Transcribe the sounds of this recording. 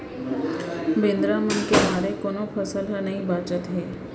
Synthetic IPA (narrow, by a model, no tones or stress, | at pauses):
bẽːnd̪ɾamənkebaːɾekoːnopʰəsəlɦənɐɦĩbaːt͡ʃət̪ɦɛː